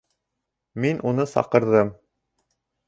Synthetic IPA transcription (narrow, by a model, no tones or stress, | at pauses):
minʔunɤsɑ̰qɤ̆ɾðɤm